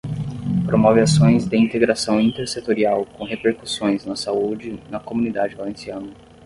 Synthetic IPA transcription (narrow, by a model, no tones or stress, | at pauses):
pɾomɔvɪasõj̃zd̪ɪĩnt̪eɡɾasɐ̃w̃ĩnt̪eɾset̪oɾiawkõw̃ɦepeɾku̥sõj̃znɐsaud͡ʒɪnɐkomũnid̪ad͡ʒɪvalẽsiɐ̃nɐ